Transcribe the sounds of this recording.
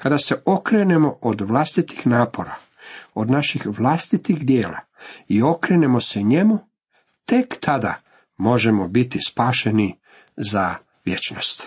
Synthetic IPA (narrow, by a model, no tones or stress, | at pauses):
kad̪ase̞ʔo̞kɾene̞mo̞ʔod̪ʋlˠast̪it̪i̥xnaːpo̞ɾa | od̪naʃixʋlast̪it̪ixd̪je̞ːla̰io̞kɾeːne̞mo̞seɲe̞mu | t̪e̞kt̪ʰad̪a̰ | mo̞ʒemobit̪ispaːʃe̞ni | za | ʋje̞t͡ʃnost̪